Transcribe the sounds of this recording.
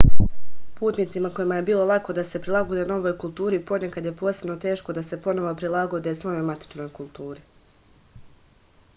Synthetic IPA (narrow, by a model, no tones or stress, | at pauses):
puːt̪nit̪simako̞jimaje̞biːlˠo̞lˠako̞d̪ase̞pɾilˠaɡod̪eno̞ʋo̞jkulˠt̪uːɾipo̞nekad̪je̞po̞ːsebno̞t̪e̞ːʃko̞d̪ase̞po̞no̞ʋopɾilˠaɡo̞d̪esʋo̞jomat̪i̥t͡ʃno̞jkulˠt̪uːɾi